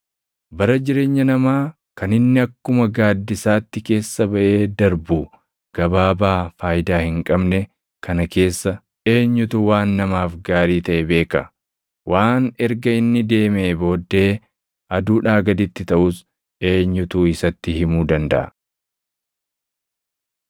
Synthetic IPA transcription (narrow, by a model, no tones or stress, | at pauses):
bɐɾɐd͡ʒɪɾe̞ːɲːɐnɐmaː | kɐnɪnːɪɐkːʊmɐɡaːd̪ːɪsaːt̪ːɪke̞ːsːɐbɐʔe̞ːd̪ɐɾbuː | ɡ̥ɐbaːbaːfaːjd̪aːhɪŋkʼɐbnɛ | kʰɐnɐke̞ːsːɐ | ʔe̞ːɲːʊt̪ʊwaːnːɐmaːfɡaːɾiːt̪ɐʔɛbe̞ːkɐ | wʔaːnɛɾɡɐɪnːɪd̪e̞ːmeːbo̞ːd̪ːe̞ː | ʔɐd̪uːᶑaːɡɐd̪ɪt̪ːɪt̪ɐʔus | ʔe̞ːɲːʊt̪uːɪsɐt̪ːɪhɪmuːd̪ɐnd̪ɐ̰ʔɐ̰